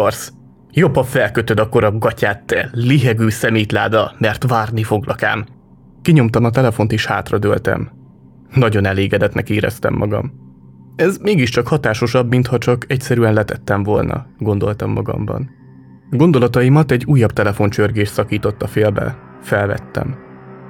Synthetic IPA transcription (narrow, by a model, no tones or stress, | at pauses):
rs | jopːɒfɛlkøt̪ød̪ɒko̞ɾɒɡɒcaːt̪ːɛliɦɛɡyːsɛmiːt̪laːd̪ɒmɛrt̪ʋaːrnifo̞ɡlɒka̰ːm | kiɲo̞mt̪ɒmɒt̪ɛlɛfo̞nt̪eːʃha̰ːt̪rɒd̪ølt̪ɛ̰m | nɒɟo̞nɛleːɡɛd̪ɛt̪nɛkiːɾɛ̰st̪ɛ̰mːɒɡɒ̰m | ɛzmeːɡiʃt͡ʃɒkhɒt̪aːʃo̞ʃɒbmint̪hɒt͡ʃɒkʰɛcsɛɾyɛnlɛt̪ɛt̪ːɛɱvo̞̰lnʔɒ̰ɡo̞nd̪o̞lt̪ɒmːɒɡɒ̰mbɒ̰n | ɡo̞nd̪o̞lɒt̪ɒimɒt̪ɛɟːuːjːɒbt̪ɛlɛfo̞nt͡ʃørɡeːʃt̪sɒkiːt̪o̞t̪ːɒfeːlbɛ̰ | fɛlvɛ̰t̪ːɛ̰m